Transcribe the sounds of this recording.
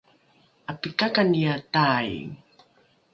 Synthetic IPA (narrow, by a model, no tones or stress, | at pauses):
apikakanijataj